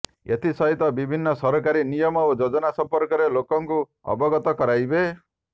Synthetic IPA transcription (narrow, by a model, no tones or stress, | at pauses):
et̪ʰisɔɦit̪ɔbibʱinːɔsɔɾɔkaɾinijɔmɔod͡ʒod͡ʒɔnasɔmpɔɾkɔɾelokɔŋku | ɔ̰bɔɡɔt̪ɔkɔɾajbe